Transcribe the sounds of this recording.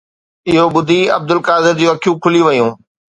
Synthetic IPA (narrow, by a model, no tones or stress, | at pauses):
ɪɦobʊd̪ʱiɐ̰b̚d̪ʊlkaːzɪɾd͡ʑuɐkʰijũkʰʊliʋɐjũː